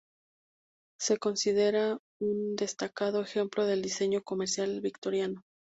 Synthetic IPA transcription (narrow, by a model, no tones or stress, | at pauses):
se̞ko̞nsiðe̞ɾa | und̪e̞st̪akaðo̞e̞xe̞mplo̞ðe̞ld̪ise̞ɲo̞ko̞me̞ɾsjalβikt̪o̞ɾjano